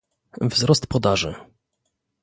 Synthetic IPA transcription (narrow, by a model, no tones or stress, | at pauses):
vzɾɔst̪pɔd̪aʐɘ̰